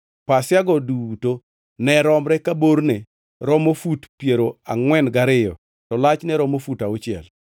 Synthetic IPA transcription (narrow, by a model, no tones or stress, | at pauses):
pasɪjaɡɔduto | nɛɾɔmɾɛkaboɾne | ɾɔmofutpjeɾoaŋwɛnɡaɾɪjɔ | tɔlat͡ʃnɛɾɔmofutaot͡ʃɪɛ̰l